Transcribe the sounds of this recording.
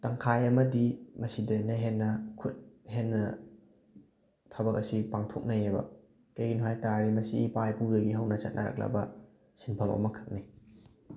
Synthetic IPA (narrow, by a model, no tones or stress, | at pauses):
tɐŋkʰajɐmɐdimɐsidenːɐɦenːɐkʰut̚ɦhenːɐ | tʰabɐkɐsipaŋtʰok̚nɐjebɐ̰ | kejɡinuɦajtaɾimɐsipajpuzɐɡiɦɐwnɐt͡ʃɐt̚nʔɐɾɐ̰k̚lɐ̰bɐ | sinpʰɐmɐ̰mɐkʰɯ̥k̚ni